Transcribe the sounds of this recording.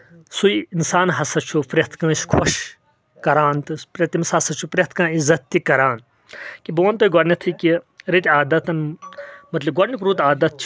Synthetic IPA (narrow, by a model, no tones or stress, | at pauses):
sujinsaːnɦɐsɐt͡ʃʰupɾɐt̪ʰkãːskʰɔʃ | kɐɾaːnt̪ɨpɾɐt̪imsɐsɐt͡ʃʰupɾet̪ʰkãːizɐt̪̚ːikɐɾaːn | kiboʋɐnt̪ojɡɐɾnit̪ʰɨkiɾit̪ʲaːd̪ɐt̪ɐnmɐt̪lɐb̚ɡɐɾnikɾuːt̪aːd̪ɐt̪̚t͡ʃʰ